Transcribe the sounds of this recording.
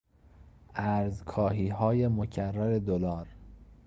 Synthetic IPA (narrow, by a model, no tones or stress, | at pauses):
ʔæɾzkʰɒːɦiːɦɒːjemocʰærːæɾe̞d̪olɒːɾ